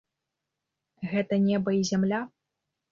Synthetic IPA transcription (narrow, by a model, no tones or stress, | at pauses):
ɣɛt̪ɐnʲɛbɐizʲamlʲa